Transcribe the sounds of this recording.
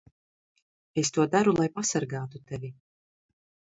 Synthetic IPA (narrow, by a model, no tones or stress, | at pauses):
est̪uɔd̪aɾulˠajpasaɾɡaːt̪ut̪ɛvʲi